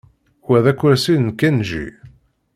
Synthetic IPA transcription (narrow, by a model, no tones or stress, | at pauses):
wæðækʷːæɾsinkːænʒḭ